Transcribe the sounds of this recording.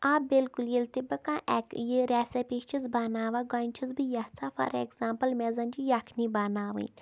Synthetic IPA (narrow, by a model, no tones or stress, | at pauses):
aːbilkuljelt̪ibɐkãːʔɛkjiɾɛːsepit͡ʃʰizbaːnaːʋaːɡɔːnt͡ʃʰizbijaht͡sʰaːfɐ̰ɾḛkzaːmpɐlmeːzɐnd͡ʒijakʰnibaːnaːʋɨ̰nʲ